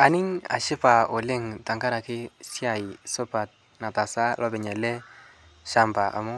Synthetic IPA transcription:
a˨nɪ˦ŋa̰˨ʃɪ˦pa˨o˨lɪ˦ŋta˨ŋka˦ɾa˨kɪ˦sja˨i˨sʊ˦pa˨t̚ | na˨ta˨sa˦lʔɔ˦bɛ˨ɲɛ˨lɛ˦ | ʃa˦mba˨ʔa̰˨mʊ˦

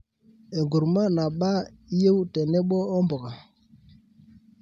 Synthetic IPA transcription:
e˨ŋɡu˨ɾma˦na˨ɓa˦ | je˦wtɛ˨nɛ˦ɓɔ˦ɔ˦mbo˨ka˨

